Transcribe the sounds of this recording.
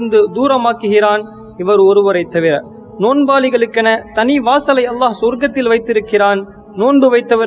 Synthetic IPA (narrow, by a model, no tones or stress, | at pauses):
ɯnd̪ɯd̪uːɾɐmaːkːɯɣɪɾaːn | ɪʋɐɾɯɔɾɯʋɐɾɐɪt̪ːɐʋɪɾɐ̰ | noːnbaːlɪɣɐɭɯkːɐnɐt̪ɐnɪʋaːsɐlɐɪɐlːaːɦsɔɾɡɐt̪ːɪlʋɐɪt̪ːɪɾɯkːɪraːn | noːnbɯʋɐɪt̪ːɐʋɪ